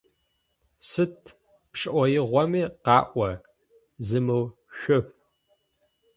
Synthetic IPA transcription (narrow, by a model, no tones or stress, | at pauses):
sɨt̚ʰ | pʂɨʔʷɔjɪʁʷɔmiːqɑːʔʷɐ | zɨmɨw | ʃʷʊɸ